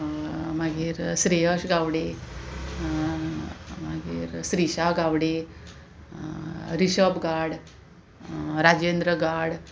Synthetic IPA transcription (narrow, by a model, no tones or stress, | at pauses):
maɡiːɾsɾeɦəɕɡaʋɽe | maɡḭːɾsɾiɕaɡawɽe | ɾiɕəbɡaɽ | ɾad͡ʑend̪ɾəɡaɽ